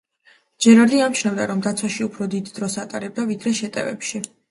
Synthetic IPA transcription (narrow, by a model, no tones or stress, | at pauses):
d͡ʒɛɾaɾd̪iamt͡ʃʰnabd̪aɾɔmd̪at̪sʰwaʃiupʰɾɔd̪id̪ːɾɔsat̪ʼaɾɛb̚d̪avid̪ɾɛʃɛt̪ʼɛ̰vɛ̰pʃi